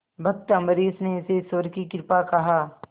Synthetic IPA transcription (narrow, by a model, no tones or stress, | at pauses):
bʱɐk̚t̪əməɾiːsneɪsesʋəɾkikɪɾpakɐɦaː